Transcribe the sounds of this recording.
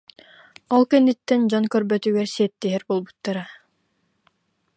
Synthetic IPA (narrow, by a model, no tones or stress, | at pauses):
ɔlˠkɛnːit̪ːɛnd͡ʑɔnkœɾbœt̪yɡɛɾsiɛt̪ːiɦɛɾbolˠbu̥t̪ːaɾa